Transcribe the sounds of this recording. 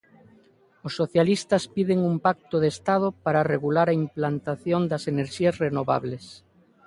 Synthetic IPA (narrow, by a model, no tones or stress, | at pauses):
osːoθjalist̪ɐspiðeŋumpak̚t̪oðest̪að̞opaɾareɣulaɾaimplant̪aθjond̪aseneɾʃiazrenoβa̰βles